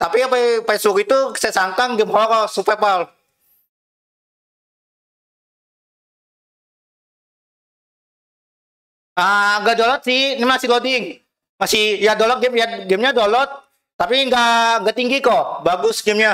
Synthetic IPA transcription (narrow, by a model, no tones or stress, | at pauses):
t̪apipɛpesbʊkit̪u̥sasaŋkaŋɡɛmholakasupɛrpal | aŋɡaʔdolɔt̪̚sɪhnimasɪlodɪŋ | masɪhjadolɔt̪̚ɡɛmjaɡɛmɲadolɔt̪̚ː | apiŋɡaʔŋɡat̪iŋɡikɔbaɡʊsɡɛmɲa